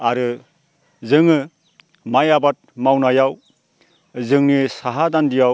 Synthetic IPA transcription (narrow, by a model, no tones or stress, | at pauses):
aɾɯ | zɯŋɯ | majabat̚mawnajaw | zɯŋnisaɦadandijaw